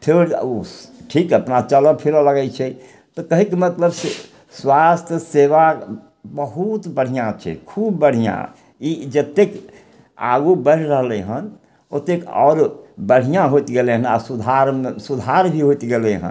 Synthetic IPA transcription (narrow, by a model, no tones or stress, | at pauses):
pʰeɾoʈʰikəpnat͡ʃələpʰiɾoləɡɛt͡ʃʰɛ | t̪ɔkəɦikemət̪ləbse | swast̪ʰjəseʋa | bəɦut̪bəɽ̤ijãt͡ʃʰɛ̰kʰubːəɽ̤ijã̰ | id͡ʒət̪ːek | a̰ɡubəɾɾəɦleɦən | ot̪ːekɔ̰ːɾbəɽ̤ijãɦot̪ɡeleɦəna̰sud̪ʱaɾmesud̪ʱaɾbʱiɦot̪ɡeleɦə̰̃n